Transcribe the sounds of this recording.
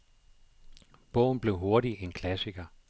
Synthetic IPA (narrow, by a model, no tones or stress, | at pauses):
b̥ɔ̽ʊ̰n̩b̥le̝ʊɦo̝ɐɾienkʰlæsiɡ̥ɐ